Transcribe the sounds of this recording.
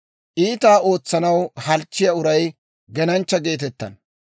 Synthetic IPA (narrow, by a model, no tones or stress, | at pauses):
ʔiːt̪aːo̞ːt͡sːɐnɐwhɐlt͡ʃːɪjɐʊɾɐj | ɡɛnɐnt͡ʃːɐɡe̞ːt̪̬ɛt̪ːɐ̰n